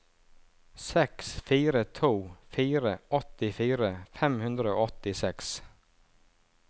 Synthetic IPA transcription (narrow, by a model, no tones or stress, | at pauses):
sɛksfiːɾət̪ʰuːfiːɾəʔɔt̪ɪfiːɾəfɛmhʉnd̪ɾəo̰ːɔt̪ɪsɛks